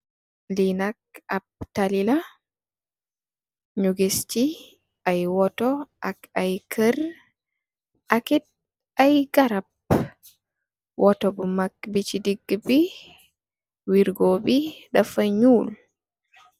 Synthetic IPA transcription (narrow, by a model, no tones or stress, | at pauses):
linak̚ab̚talila | ɲuɡest͡ʃi | ʔajwɔtɔʔakajkʰər | ʔakit̚ | ajɡaɾab | wʔɔtɔbumak̚bit͡ʃidiɡːbi | wiɾɡɔbidafaɲuːl